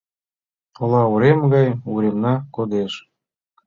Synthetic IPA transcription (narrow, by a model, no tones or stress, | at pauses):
ŏlɑuɾemɡɑjuɾemnɑkod̪eʃ